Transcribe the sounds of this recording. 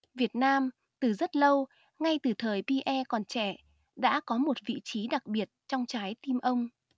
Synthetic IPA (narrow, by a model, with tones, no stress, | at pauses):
vi˨˩ət̚naː˧m | t̪ɨ˨˩zə˦˥t̚lə˧w | ŋa˧jt̪ɨ˨˩t̪ʰəː˨˩jpi˧ʔɛ˧kɔ˨˩nt͡ɕɛ˧˩ | ɗa̰ː˧˥kɔ˨˦mo˨˩t̚vḭ˧˨t͡ɕi˨˦ɗa˨˩k̚ɓi˨˩ət̚t͡ɕɔ˧wŋ͡mt͡ɕaː˨˦jt̪i˧mʔə˧wŋ͡m